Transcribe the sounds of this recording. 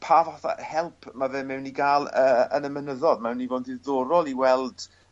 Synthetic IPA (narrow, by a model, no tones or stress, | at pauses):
pʰaːvaθa̰hɛlˠpʰmavɪmːɛwniɡaːlˠəːə̰nəmənəðɔðmɛwnivoːndɪðoːɾɔlˠiwɛlˠd̥